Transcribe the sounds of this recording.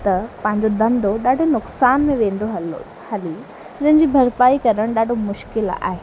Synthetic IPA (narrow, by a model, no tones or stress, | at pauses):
t̪ɐpɐ̃ɦɪ̃ɲ̆d͡ʑod̪ɐ̃nd̪oɗaːɖʱonʊksaːnmẽʋẽːn̆d̪oɦɐl | hɐli | d͡ʑɐ̃ɦɪ̃ɲd͡ʑibʱɐɾpaːikɐɾəɽ̃ɗaːɖʱomʊʃkɪla̰ːɦeː